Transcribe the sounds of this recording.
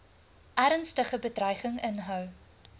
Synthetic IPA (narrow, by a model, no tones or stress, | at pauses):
ʔæɾənstəχəbədrœjχəŋənɦœw